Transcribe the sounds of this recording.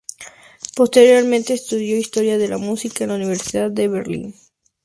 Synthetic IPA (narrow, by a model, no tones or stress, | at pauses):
po̞st̪e̞ɾjo̞ɾmẽnt̪e̞ːst̪uðjo̞ist̪o̞ɾjaðe̞lamusikaenlauniβ̞e̞ɾsiðaðːe̞βeɾlḭn